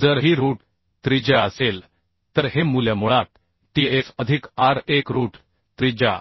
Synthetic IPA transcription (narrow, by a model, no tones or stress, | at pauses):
d͡zəɾɦiɾuːʈ | t̪ɾid͡ʑaəsel | t̪əɾɦemulamoɭat̪̚ | ʈiefəd̪ʱikaɾekɾuːʈ | t̪ɾid͡ʑa̰